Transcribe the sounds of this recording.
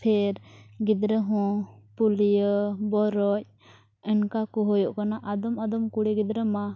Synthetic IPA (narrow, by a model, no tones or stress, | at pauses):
pʰɛɾɡid̪ɾəɦɔ̃pulijəbɔɾɔc̚ | ɛnkakɔɦɔjɔʔkanaʔad̪ɔmad̪ɔmkuɽiɡid̪ɾəma